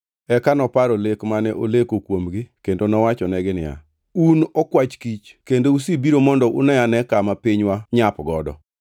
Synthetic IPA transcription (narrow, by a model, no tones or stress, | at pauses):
ɛkanɔpaɾolekmanɛʔolekokwomɡɪkendonɔwat͡ʃɔnɛɡɪnɪja̰ | unɔkwat͡ʃkit͡ʃkendousibiɾomɔndɔʔʊ̰nɛjanɛkamapiɲwaɲapɡɔdɔ̰